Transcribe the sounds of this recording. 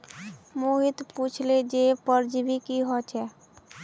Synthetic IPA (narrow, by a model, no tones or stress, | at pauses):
muɦit̪put͡ʃʰled͡ʒepəɾd͡ʒbʱikiɦɔt͡ʃʰɛ